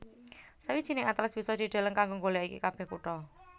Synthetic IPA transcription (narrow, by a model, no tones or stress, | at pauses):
səwid̥ʒ̥i̤nɪŋat̪lɪsb̥isɔd̪̥i̤ɖ̪̥a̤ləŋkaŋɡoŋɡoljaikḭkab̥ɛ̤hkuʈɔ